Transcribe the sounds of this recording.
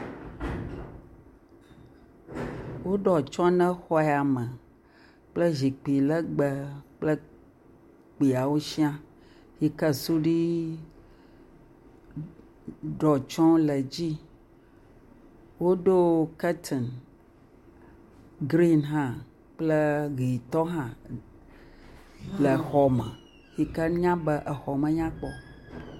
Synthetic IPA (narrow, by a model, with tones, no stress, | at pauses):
wo˦ɖɔ˨t͡ʃɔ̃˦nə̃˦xɔ˦ɛ˨a˨mə˨ | k͡plə˦ʒi˨k͡pi˨lɛ˦ɡ͡bə˨k͡plə˦ | k͡pi˨a˨wo˦ʃi˦ã˦ | hi˨kə˦su˦ɖi˦ | ɖɔ˨t͡ʃɔ̃˦lə˨d͡ʑi˦ | wo˦ɖo˦kɛ˦t̪ʰɛ˨n | ɡɾi˦nɦã˦ | k͡plə˦ɣi˨t̪ɔ˦ɦã˦ | lə˨xɔ˨mɛ̃˨ | hi˨kə˦ɲã˦bə˦ʔə˨xɔ˨mə̃˨ɲã˦k͡pɔ˨